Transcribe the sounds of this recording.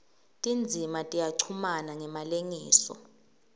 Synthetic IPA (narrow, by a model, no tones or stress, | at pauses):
tʼind͡zʱimatʼijaǀʰumanaŋɛmaleŋiːsɔ̰